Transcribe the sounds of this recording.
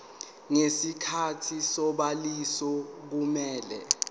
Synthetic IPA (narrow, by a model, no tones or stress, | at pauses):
ŋesikʰatʰisɔɓalisɔk̬umɛːlɛ̰